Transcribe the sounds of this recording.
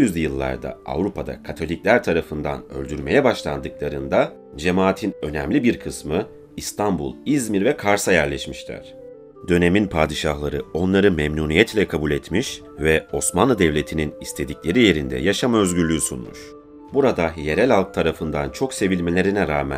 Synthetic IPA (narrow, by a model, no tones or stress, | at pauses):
jyzd̪ɛjɯlˠːa̰ɾd̪a̰a̰vɾupʰad̪a̰kʰat̪ʰo̞lʲiclʲæɾt̪ʰaɾafɯnd̪a̰nø̞̰lʲd̪yɾme̞jɛbaʃlˠand̪ɯklˠaɾɯnd̪a | d͡ʒe̞maːt̪ʰinø̞nɛmlʲibiɾkʰɯsmɯ | ist̪ʰambṵlˠizmiɾvɛkʰaɾsajæɾlʲɛʃmiʃlʲæ̰ɾ̥ | d̪ø̞ne̞minpʰaːd̪iʃaɦlˠaɾɯo̞nlˠaɾɯmɛmnunijɛt̪ʰlʲɛkʰabulʲet̪miʃ | vɛo̞smanˠɯd̪ɛvlʲe̞t̪ʰininist̪ʰe̞d̪iclʲe̞ɾije̞ɾind̪ɛ̰jaʃamaø̞zɟyɾlʲyysunmṵʃ | buɾad̪aje̞ɾɛlʲalˠk̚t̪ʰaɾafɯnd̪ant͡ʃʰo̞kse̞vilʲme̞lʲe̞ɾinɛɾaːmæ̰